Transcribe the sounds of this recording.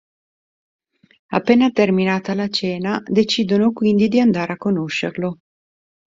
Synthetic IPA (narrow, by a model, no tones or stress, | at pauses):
apːɛːnat̪erminaːt̪alat͡ʃɛːnad̪et͡ʃiːd̪onokwind̪id̪iand̪aːɾeakːonoʃːerlo